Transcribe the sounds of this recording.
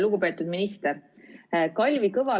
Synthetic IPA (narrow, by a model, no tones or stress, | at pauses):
luɡ̥upe̞ːt̪ːˑud̪minist̪er | kɑlʲvikɤvɑ